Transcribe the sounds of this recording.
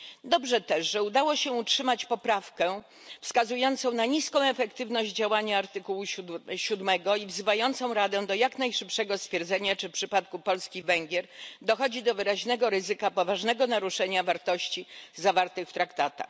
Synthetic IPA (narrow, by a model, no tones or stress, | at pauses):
d̪ɔbʐɛt̪ɛʐʐɛud̪awɔɕɛutʂɘmat͡ɕpɔpɾafkɛ | fskazujɔnt̪sɔ̃w̃naɲiskɔ̃w̃ɛfɛkt̪ɘvnɔʑd͡ʑd͡ʑawaɲaːɾt̪ɘkuwuɕud̪mɛɡɔivzɘvajɔnt̪sɔ̃w̃ɾad̪ɛ̃d̪ɔjaknajʂɘpʂɛɡɔst̪fʲjɛɾd̪zɛɲat͡ʂɘfpʂɘpat̪kupɔlskʲivɛŋɡʲjɛɾd̪ɔxɔd͡ʑid̪ɔvɘɾaʑnɛɡɔɾɘzɘkapɔvaʐnɛɡɔnaɾuʂɛɲavaɾt̪ɔɕt͡ɕizavaɾt̪ɘxft̪ɾakt̪at̪a̰x